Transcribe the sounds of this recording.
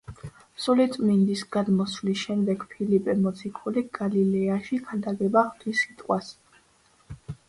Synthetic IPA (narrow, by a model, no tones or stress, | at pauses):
sulit̪ʼmind̪isɡ̥ad̪mɔslisʃɛmd̪ɛɡpʰilipʼɛmɔt̪sʰikʰuliɡ̥alilɛaʃikʰad̪aɡɛbaχt̪ʰisit̪ʼqʼwas